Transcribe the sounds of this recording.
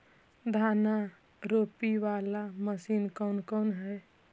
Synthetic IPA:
d̪ʱaːna | ɾopiʋaːlaməsiːnkɔnkɔnɦɛ

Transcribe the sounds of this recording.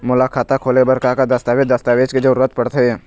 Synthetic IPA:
mʊlaːkʰaːt̪akʰoːlebɐɾkakad̪ɐst̪aːʋed͡ʒd̪ɐst̪aːʋeːd͡ʒked͡ʒɐɾuːɾət̪pɐɽt̪eɛ

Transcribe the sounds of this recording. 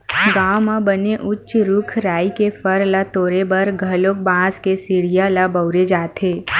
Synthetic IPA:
ɡaːmãbəneʔʊt͡ʃːʃɾʊkʰɾaːikefəɾlat̪oːɾebɐɾɡʱəlok̚bãːskesiɽijalabəʊɾed͡ʒaːt̪ʰeː

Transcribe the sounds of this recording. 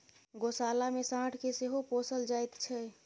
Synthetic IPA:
ɡosalamesãʈʰkeseɦoposəld͡ʒajt̪t͡ʃʰɛ

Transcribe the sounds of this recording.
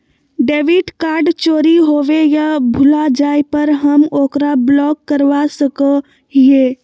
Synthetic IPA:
ɖeːʋiʈkaːɾɖt͡ʃoːɾiɦoːʋejabʱʊlad͡ʒaːjpəɾɦəmoːkɾablɔːkːəɾʋasəkə | ɦieː

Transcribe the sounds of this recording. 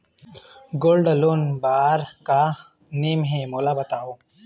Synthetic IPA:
ɡoːlɖɐloːnbaːɾka | neːmɦẽmoːlabɐt̪aːoː

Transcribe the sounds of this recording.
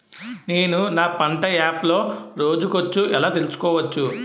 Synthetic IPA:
ne̞ːnunaːpɐɳʈɐaːplo̞ːɾo̞ːd͡ʒukot͡ʃːuʔɛlaːt̪elusu̥kɔːʋɐt͡ʃːu

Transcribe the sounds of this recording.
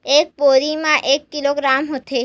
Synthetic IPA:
ek̚poɾimãʔekːiloɡɾamɦot̪ʰe

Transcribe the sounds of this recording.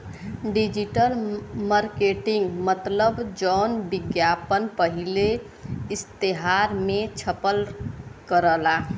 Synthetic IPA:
ɖid͡ʒiʈəlməɾkeʈĩŋɡmət̪ləbd͡ʒɔːnbɪɡjapənpəɦile | ɪst̪eɦaɾmẽt͡ʃʰəpəlkəɾəla

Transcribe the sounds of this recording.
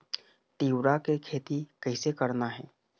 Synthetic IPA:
t̪iːwɾakekʰeːt̪ikɐɪsekɐɾnaɦɛː

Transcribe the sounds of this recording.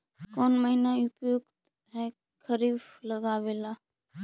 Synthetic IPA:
koːnməɦinaʊpjuɡt̪ | ɦɛ | kʰəɾiːfləɡaːʋeːlaː

